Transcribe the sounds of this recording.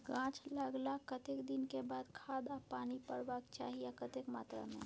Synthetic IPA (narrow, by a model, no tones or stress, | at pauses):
ɡãːt͡ʃləɡlakət̪ekd̪ɪnkebaːd̪kʰaːd̪apaːnipəɾbaːkt͡ʃa̰ːɦijakɐt̪ekmaːt̪ɾa̰mḛ̃